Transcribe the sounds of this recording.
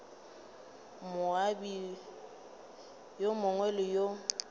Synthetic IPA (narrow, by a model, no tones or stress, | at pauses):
mʊabi | jomʊŋwɛlɪjo